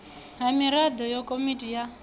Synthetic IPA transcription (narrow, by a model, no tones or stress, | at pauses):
ɦamiɾad̪ɔjɔkʼomitʼija